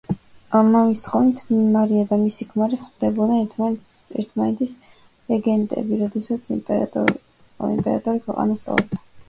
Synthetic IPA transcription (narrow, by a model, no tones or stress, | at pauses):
amamist̪χɔvnit̪ʰmaɾiad̪amisikʰmaɾiχd̪ɛbɔd̪ɛ | ɛ̰ɾt̪ʰmanɛt̪ʰis | ɾɛɡɛnt̪ʼɛ̰biɾɔd̪ɛsat̪sʰ | ḭmpʼɛɾat̪ʼɔɾikʰwɛqʼa̰nast̪sʼɔ̰ɾɔb̚d̪ḁ